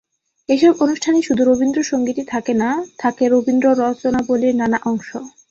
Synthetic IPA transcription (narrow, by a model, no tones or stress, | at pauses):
eʃɔbonuʃʈʰaniʃud̪ʱuɾobind̪ɾoʃoŋɡiʈit̪ʰakenat̪ʰakeɾobind̪ɾoɾɔt͡ɕonaboliɾnanaʔɔŋʃo